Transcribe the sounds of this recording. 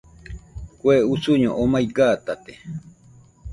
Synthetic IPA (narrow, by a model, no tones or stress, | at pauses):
kweusuɲo̰ʔomajɡat̪at̪e